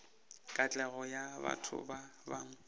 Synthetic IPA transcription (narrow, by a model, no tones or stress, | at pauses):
kʼat͡ɬʼɛɣɔjaba̰tʰʊ̰babaŋ̩